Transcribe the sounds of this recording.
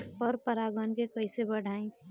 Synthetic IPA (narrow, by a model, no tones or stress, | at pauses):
pɔɾpəɾaɡənkekəisebəɽ̤ʱaːẽ